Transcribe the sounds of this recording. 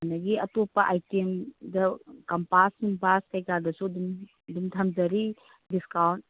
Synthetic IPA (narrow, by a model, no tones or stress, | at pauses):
nɐɡiɐtopɐʔajtemdɐkɐmpasuŋbaskɐjkadɐsudum | dumtʰɐmzɐɾi | diskawnt̚